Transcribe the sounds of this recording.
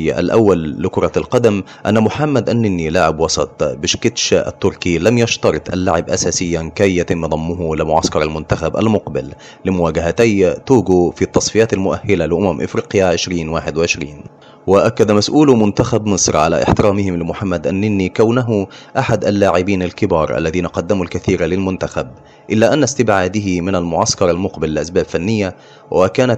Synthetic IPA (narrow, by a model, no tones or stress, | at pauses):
ja̰ʔa̰lʔawːalːɪkʊɾˤɑlqɑd̪am | ʔanːamʊħamːad̪ʔanːɪnːilaːʕɪbwɑsˤɑt̪ˤbɪʃkɪt̪ʃa̰ʔa̰t̪ːʊɾˤkilamjɑʃt̪ɑɾˤɨt̪ˤʔa̰lːaːʕɪbʔa̰saːsɪjːankajːat̪ɪmːd̪ˤɑmːʊhʊlɪmʊʕa̰skɑɾˤalmʊnt̪axabʔa̰lmʊqbɪl | lɪmʊwaːɡaɦat̪ajt̪uːɡufit̪ːɑsˤfɪjaːt̪almʊʔahːɪlalɪʔʊmamʔɪ̰fɾiːqjaʕɪʃɾiːnwaːħɪd̪wɪʕɪʃɾiːn | wɪʔakːad̪masʔuːlmʊnt̪axabmɨsˤɾʕa̰la̰ʔɪ̰ħt̪ɪɾaːmɪhɪmlɪmʊħamːad̪ʔanːɪnːikawnaɦʊʔaħad̪ʔalːaːʕɪbiːnalkɪbɑːɾˤʔa̰lːaðiːnaqɑd̪ːamulkaθiːɾalɪlmʊnt̪axab̚ | ʔɪlːaʔanːast̪ɪbʕaːd̪ɪhimɪnalmʊʕaskɑɾˤalmʊqbɪlːɪʔasbaːbfanːɪjːa | wʔakaːna